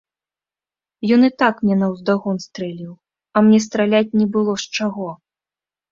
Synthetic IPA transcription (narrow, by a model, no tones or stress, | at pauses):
jɔnɨt̪akmnʲɛnɐwzd̪aɣɔnst̪ɾɛlʲiw | ɐmnʲɛs̬t̪ɾalʲat͡sʲnʲɛbɨlˠɔʂt͡ʂaɣɔ